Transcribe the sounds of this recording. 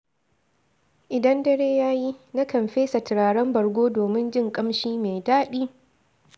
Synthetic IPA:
ʔɪ˨dɐ˦ndɐ˦ɽeː˦jaː˦ji˦na˦kɐ˨mɸeː˦sa˨tɪ˨ɾaː˨ɽɐ˦mbɐ˨ɽɡʷoː˦doː˨mɪ˦nd͡ʒɪ˦ŋkʼɐ˦mʃiː˦meː˨daː˦ɗiː˦

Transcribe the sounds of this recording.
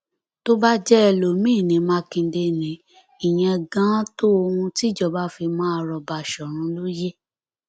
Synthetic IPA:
to˦ba˦d͡ʒɛ˦ɛ˧˨lo˨mĩ˦˨nĩ˨˦mã˧kĩ˧˦de˧nĩ˨ | i˨j̃ɛ̃˧ɡã˦to˦o˧hũ˧ti˦d͡ʒɔ˦˨ba˨˦fi˧mã˦˧ɾɔ˧ba˧˨ʃɔ˨ɾ̃ũ˨˧˦lo˦je˦

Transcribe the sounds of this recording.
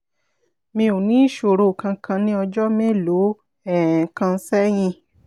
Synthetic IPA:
mĩ˧u˨nĩ˨˦ʃo˨ɾo˨kã˧kʰã˧nĩ˦ɔ˧d͡ʒɔ˦mẽ˦lo˨˦ | ɛ˨kã˧˦sɛ˦j̃ĩ˧

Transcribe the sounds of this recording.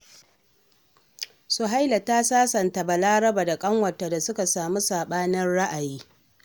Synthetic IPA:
su˨ɦa˦jlɐ˨taː˦saː˦sɐ˨nta˨ba˨laː˦ɾɐ˦baː˨da˨kʼɐ˦ŋwɐ˨tːa˨da˨sʊ˦ka˨saː˨mu˦saː˨ɓaː˦nɐ˦nɽa˦ʔa˨jiː˦

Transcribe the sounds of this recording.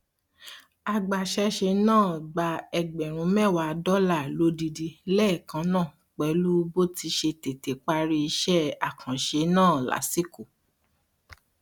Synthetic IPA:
a˨ɡ͡ba˨ʃɛ˧ʃe˧nãː˦˨ɡ͡ba˧˦ɛ˧ɡ͡bɛ˨ɾ̃ũ˨˦mɛ˦˨wa˧˦˧dɔ˦la˦˨lo˨˦di˧di˧lɛ˦˨kã˧˦nãː˦˨ | k͡pɛ˨˦lu˦bo˦ti˧ʃe˧te˨te˨k͡pa˦ɾi˦˧i˧ʃɛ˦˨a˨kʰã˨ʃe˧nãː˦˨la̰˨˦si˦ko˦˨

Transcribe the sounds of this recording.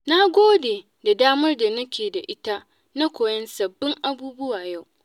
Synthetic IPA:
na˦ɡʷoː˦deː˨ | da˨daː˦mɐ˦rda˨nɐ˦kʲeː˨da˨ʔɪ˦ta˦ | na˦kʷoː˨jɐ˦nsɐ˨bːɪ˦ŋʔa˦buː˦bʊ˦waː˨ja˦˨w

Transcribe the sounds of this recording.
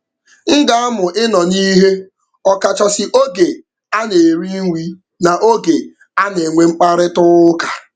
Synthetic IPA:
ŋ̩˦ɡa˦a˦mʊ˨ʔɪ˦nɔ˨ni˦ɦe˦ | ɔ˨ka˨t͡ʃɔ˨sɪ˨ʔo˦ɡe˨ | a˦ne˨ɾi˦ŋʷi˦ | na˨ʔo˦ɡe˨ | a˦ne˨ŋʷe˨ŋ͡m̩˦k͡pa˦ɾɪ˦tʊ˦ʊ˦ka˨

